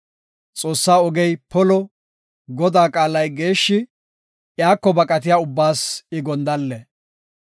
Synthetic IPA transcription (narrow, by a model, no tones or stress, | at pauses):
t͡sʼo̞ːsːaːɔɡɛjpɔlɔ | ɡɔd̪aːkʼaːlɐjɡe̞ːʃːɪ | jaːkːɔbɐkʼɐt̪̬ɪjaʊbːaːsɪɡɔnd̪ɐlːɛ